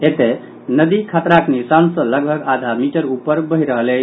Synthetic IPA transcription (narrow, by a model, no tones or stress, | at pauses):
et̪e | nəd̪ikʰat̪ɾaknisansə̃ləɡbʱəɡad̪ʱamiʈəɾupːəɾbəɦiɾəɦəlɛ